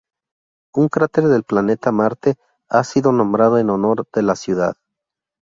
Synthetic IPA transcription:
uŋkɾat̪e̞ɾðe̞lplane̞t̪amaɾt̪e | asiðo̞nõ̞mbɾað̞oeno̞no̞ɾðe̞lasjuða̰ð

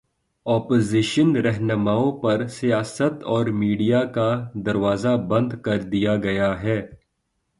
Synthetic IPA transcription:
ɔːpoːziʃənɾɛɦnəmaːõpɐɾsijaːsət̪ɔːɾmiːɖijakad̪ɐɾʋaːzabɐ̃nd̪kɐɾd̪ijaɡɐjaɦɛː

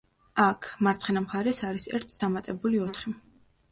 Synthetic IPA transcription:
akʰmaɾt̪sʰχɛnamχaɾɛsaɾisɛ̰ɾt̪ʰd̪̥amat̪ʼɛbuliɔt̪ʰχi

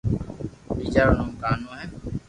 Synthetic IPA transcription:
biːt͡ʃaːɾnũːkaːnõːɦɛː

